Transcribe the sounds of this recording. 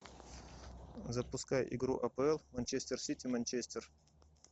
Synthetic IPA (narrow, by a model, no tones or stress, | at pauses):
zɐpʊskaj̰ʔɪ̰ɡɾṵʔɐpəɛlˠmɐnʲt͡ɕesʲt̪ʲersʲit̪ʲimɐnʲt͡ɕesʲt̪ʲer